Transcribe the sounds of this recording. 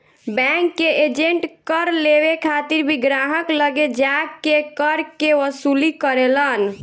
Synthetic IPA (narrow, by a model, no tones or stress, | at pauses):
bɛŋkːeed͡ʒeɳʈkəɾleʋekʰat̪iɾbʱiɡɾaɦəkləɡed͡ʒaɡːekəɾkeʋəsulikəɾelən